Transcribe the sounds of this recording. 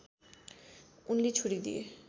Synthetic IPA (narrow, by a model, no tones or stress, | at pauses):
unlit͡ɕʰuɽid̪ḭe